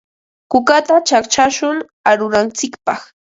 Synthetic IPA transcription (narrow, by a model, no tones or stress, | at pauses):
kʊkat̪at͡ʃakt͡ʃaʃʊŋ | aɾʊɾant͡sɪkpɑχ